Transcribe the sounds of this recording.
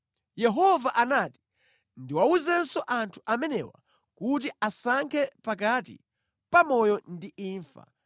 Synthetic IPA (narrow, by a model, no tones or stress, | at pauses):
jɛɦɔvaʔanaːti̥ | ndiwauzɛnsɔʔantʰu̥ʔamɛnɛ̰wa̰ | kut̬iasaŋkʰɛpakatḭ | pamɔjɔndiiːɱfa̰